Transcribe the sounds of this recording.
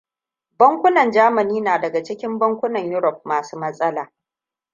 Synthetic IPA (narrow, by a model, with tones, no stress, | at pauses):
bɐ˦ŋkʷʊ˦nɐ˨nd͡ʒaː˦mɐ˨niː˦naː˨dɐ˨ɡa˨t͡ʃɪ˦kʲɪ˦mbɐ˦ŋkʷʊ˦nɐ˨ɲjʊ˦ɾɔ˨p̚maː˨suː˦mɐ˦sʼɐ˦laː˨